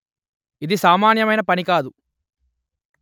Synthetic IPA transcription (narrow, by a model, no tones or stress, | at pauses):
id̪isaːmaːnjɐmɐjnɐpɐnikaːd̪u